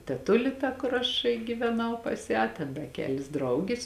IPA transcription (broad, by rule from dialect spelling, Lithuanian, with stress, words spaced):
tʲɛˈtʊlʲɪ tɐ kʊr ˈɐʃ ɡʲiːʋʲɛˈnɐʊ pɐs ˈjæː tʲɛn dɐ ˈkʲæːlʲɪs ˈdrɐʊɡʲɪs